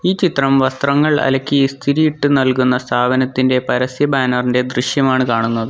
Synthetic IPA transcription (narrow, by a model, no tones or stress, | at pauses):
iːt͡ɕit̪rɐmʋɐst̪rɐŋːɐɭɐ̰lɐkʲːist̪ʰiɾijiʈːɨnɐlkunːɐst̪ʰaːbɐnɐt̪ːinde̞pɐɾɐsjɐbaːnɐrinde̞d̪riɕjɐmaːɳɨkaːɳunːɐðɨ